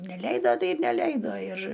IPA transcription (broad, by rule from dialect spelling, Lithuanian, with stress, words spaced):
nʲɛˈlʲɛɪdoː ˈtɐɪ ɪr nʲɛˈlʲɛɪdoː ɪr